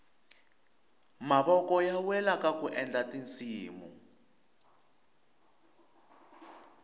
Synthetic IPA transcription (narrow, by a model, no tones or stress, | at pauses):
maɓɔkɔjawɛlakakuʔɛnd͡ɮatint͡sʼiːmṵ